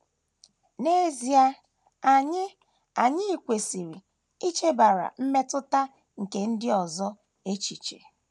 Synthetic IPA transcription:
ne˦zi˨a˦ | a˨ɲɪ˦ | a˨ɲɪ˦i˨kʷe˨si˨ɾi˨ | i˦t͡ʃe˦ba˨ɾa̰˨m̩˦me˦tʊ˦ta˦ | ŋ̩˨ke˨n̩˦dɪ˦ɔ˨zɔ˦ | e˦t͡ʃi˨t͡ʃḛ˨

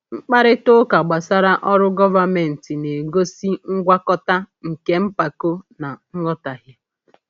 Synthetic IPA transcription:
ŋ͡m̩˦k͡pa˦ɾɪ˦tʊ˦ka˨ɡ͡ba˨sa˦ɾa˦ʔɔ˦ɾʊ˦ɡɔ˦va˦me˨n̩˨ti˨ne˨ɡo˦si˦ŋ̩˦ɡʷa˦kɔ˦ta˦ | ŋ̩˨ke˦m̩˦pa˨ko˦na˨ŋ̩˦ŋɔ˦ta˨ɦja˦

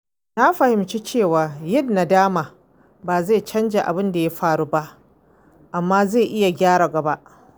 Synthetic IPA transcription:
na˦ɸɐ˨hɪ˨mt͡ʃi˦t͡ʃeː˦˨waː˨jɪ˦˨nːa˨daː˦maː˨ | baː˨za˦˨t͡ʃɐ˦nd͡ʒa˨ʔa˨bɪ˦nda˨ja˦ɸaː˦ɽu˦ba˦ʔ | ʔa˨mːaː˦za˦˨ʔɪ˦ja˨ɡʲaː˦ɽaː˨ɡɐ˨ba˦ʔ

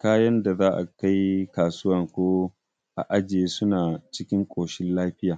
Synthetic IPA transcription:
kaː˦jɐ˦nda˨zaː˦ʔa̰˨ka˦jkaː˨sʊ˦wɐ˨ŋkʷoː˦ | ʔa̰˨ʔa˦d͡ʒɪ˨eː˦sʊ˦naː˨t͡ʃɪ˦kʲɪ˦ŋkʷʼoː˨ʃɪ˦nlaː˦ɸɪ˦jaː˨

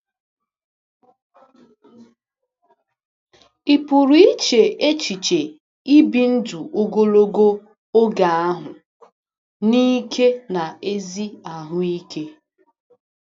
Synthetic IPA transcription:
i˨pu˨ɾi˦t͡ʃe˨ʔe˦t͡ʃi˨t͡ʃe˨ | i˦bi˨n̩˦du˨ʔo˦ɡo˦lo˦ɡo˦ | o˦ɡa˨a˦ɦʊ˨ | ni˦kʰe˦na˨e˦zi˦a˨ɦʊ˦i˦ke˦

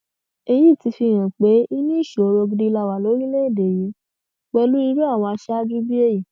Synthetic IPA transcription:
e˧jĩ˦˨ti˧fi˧˨ɾ̃ã˨k͡pe˨˦i˦nĩ˦i˦˨ʃu˨o˨˧ɾo˧ɡi˧di˧la˧˨wa˨lo˨˦ɾi˦le˦i˦˨de˨ji˨˦ | k͡pɛ˧lu˦ɾi˧˦ɾo˦a˦˨wɔ̃˧a˧ʃɛ˦a˦d͡ʒu˦bi˦e˦˨ji˨

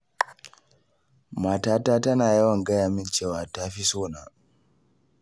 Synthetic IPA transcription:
maː˨taː˦taː˦tɐ˦naː˨jɐ˦wɐ˨ŋɡɐ˦jaː˨mɪ˦nt͡ʃeː˦˨waː˨ta˦ɸi˦soː˦˨na˨

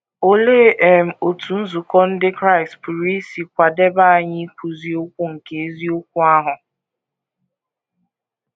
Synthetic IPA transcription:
o˦le˦ʔe˨m̩˨o˨tʰu˨n̩˦zu˨kɔ˦n̩˦dɪ˦kɾa˦ɪ˨stpu˨ɾi˦si˨kʷa˨de˦ba˦a˨ɲɪ˦kʷu˨zi˦o˦kʷu˦ŋ̩˨ke˨e˦zi˦o˦kʷu˦a˦ɦʊ˨

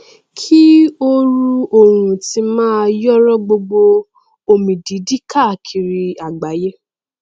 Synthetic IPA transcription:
kʰi˦o˦ɾu˧o˨hũ˨ti˧mãː˦jɔ˦ɾɔ˦ɡ͡bo˧ɡ͡bo˧ | o˨mĩ˨di˨˦di˦ka˦˨kʰi˨ɾi˧a˨ɡ͡ba˨˦je˦

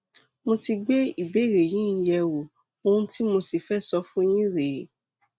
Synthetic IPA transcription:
mõ˧ti˧ɡ͡be˦i˨be˨˦˨ɾe˨jĩ˨˦n̩˦jɛ˧wo˨ | o˧hũ˦ti˦mõ˧si˨fɛ˦˨sɔ˧fũ˦jĩ˦ɾe˨˦

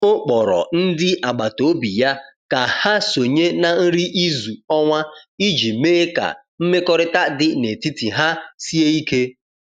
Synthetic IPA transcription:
o˦k͡pɔ˨ɾɔ̰˨n̩˦dɪ˦ʔa˨ɡ͡ba˨to˨˦bi˨ja˦ka˨ha˦so˨ɲe˦na˨n̩˦ɾi˦ʔi˦zu˨ɔ˦ŋʷa˦i˦d͡ʒi˨me˦e˦ka̰˨ | m̩˦me˦kɔ˦ɾɪ˦ta˦dɪ˦ne˨ti˦ti˨ɦa˦si˦e˦i˦ke˦

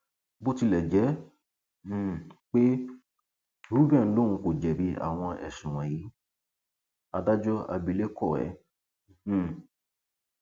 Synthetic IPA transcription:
bo˦ti˧lɛ˨d͡ʒɛ˨˦˨ | k͡pe˦ | ɾu˦bɛ˦˨n̩˦lõ˦˨ũ˧ko˨d͡ʒɛ˨bi˧a̰˨w̃ɔ̃˧ʔɛ̰˨ʃũ˨w̃ã˨ji˨˦ | a˧da˦d͡ʒɔ˦a̰˧bi˧˦le˦kɔ˦˨ɛ̰˨˦˨

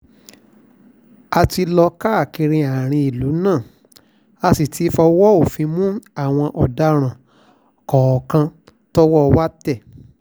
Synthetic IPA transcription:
a˧ti˧lɔ˧ka˦a˦˨ki˧ɾ̃ĩ˧a˨ɾ̃ĩ˧i˨lu˨˦nãː˦˨ | a˧si˨tʰi˨˦fɔ˧wɔ˦o˨fĩ˨˧˦mũ˦a˦˨w̃ɔ̃˧ʔɔ˨da˨˦ɾ̃ã˨ | kɔ˨ɔ˨kã˧ | tɔ˦wɔ˦˧wa˦tɛ˦˨

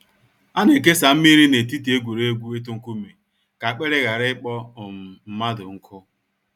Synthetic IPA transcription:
a˦ne˨k̬e˦sa˨m̩˦mi˦ɾi˦ne˨ti˦ti˨e˦ɡʷu˨ɾe˦ɡʷu˦e˦tʊ˦ŋ̩˦ku˦me˨ | ka˨a˨k͡pe˦ɾe˦ɣa˨ɾɪ˦ɪ˦k͡pɔ˦ʊ˨m̩˨m̩˦ma˦dʊ˨ŋ̩˦kʰʊ˦

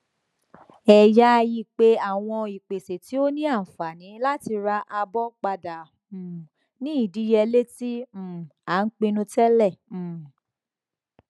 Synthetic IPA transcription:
ɛ˨ja˦˧ji˦˨k͡pe˦a˦˨w̃ɔ̃˧i˨k͡pe˨se˨ti˨˦o˦nĩ˦a˦˨n̩˨fa˨nĩ˨˦la˦ti˧ɾa˧ʔa˧bɔ˦k͡pa˧dã˨ | nĩ˦i˦˨di˦jɛ˧le˦tĩ˦˨a˨˦n̩˦k͡pe˧nũ˧tɛ˦lɛ̃˦˨

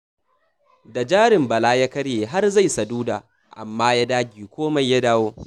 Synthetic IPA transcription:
da˨d͡ʒaː˦ɾɪ˨mbɐ˨laː˦ja˦kɐ˦ɽjeː˨ɦa˦rza˦˨jsɐ˨duː˦da̰ː˨ | ʔa̰˨mːaː˦ja˦daː˦ɡʲiː˨kʷoː˦ma˨jːa˦daː˦woː˦

